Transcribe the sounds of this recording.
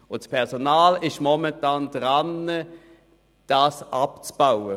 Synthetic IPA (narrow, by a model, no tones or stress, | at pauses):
ʊntspʰɛʁsonaːlɪʃmɔmɛntaːndʁanə | d̥aːsʔapt͡sb̥aʊə